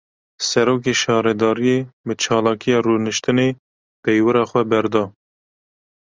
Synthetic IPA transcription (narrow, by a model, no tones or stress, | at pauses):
sɛɾoːk̬eːʃɑːɾɛd̪ɑːɾijebət͡ʃʰɑːlɑːkijɑːruːnɨʃt̪ɨneː | pɛjwɨɾɑːxʷɛbɛɾd̪ɑː